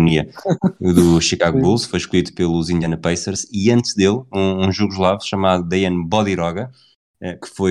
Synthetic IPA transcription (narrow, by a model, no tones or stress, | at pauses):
uniɐðuʃikaɣuβulˠʃfojʃkuit̪u̥pelˠuzĩnd̪jɐnɐpɐjsɐɾziɐ̃nt̪ʒd̪elˠũũʒuɣuʒlˠavʃɐmaðud̪ɐjɐ̃nbɔðiɾɔɣɐ | ɛkɨ̥foj